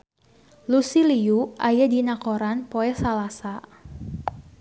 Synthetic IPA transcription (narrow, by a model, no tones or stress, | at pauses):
lusiliuʔajadinakoɾanpoɛsalasa